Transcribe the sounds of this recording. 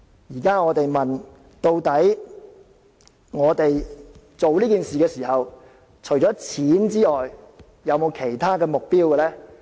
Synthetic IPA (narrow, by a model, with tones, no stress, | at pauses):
jiː˨˩kaː˥ŋɔː˨˧t̪e˨jmɐ˨˩n | t̪o˧wt̪ɐ˨˥j | ŋɔː˨˧t̪e˨j | t͡so˨wliː˥kiː˨nsiː˨kɛː˧siː˨˩hɐ˨w | t͡ʃʰɵ˨˩jt͡sɔː˨˥t͡sʰiː˨˥nt͡siː˥ɔː˨˩j | jɐ˨˧wmo˨˧wkʰe˨˩jt̪ʰaː˥kɛː˧mʊ˨k̚piː˥wkɛ˧lɛː˥